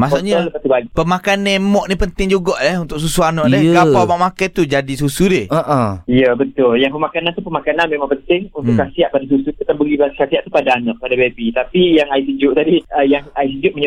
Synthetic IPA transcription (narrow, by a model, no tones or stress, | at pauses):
masuʔɲaləpat̪ubaɡipəmakanɛmɔʔnipənt̪ɪŋd͡ʒuɡɔʔlɛhunt̪ʊkʔs̬usuanɔʔdɛɡapawmaʔmakajt̪ud͡ʒadisusudɪəʔəijəbət̪ʊljaŋpəmakanãnt̪upəmakananmẽmãŋpənt̪ɪŋunʊkːasiaʔpadas̬usupət̪abəɡibakasiaʔt̪upadaːnɔʔ̚padabebit̪apijaŋaisəd͡ʒʊʔt̪adiəjaŋais̬əd͡ʒʊʔməɲ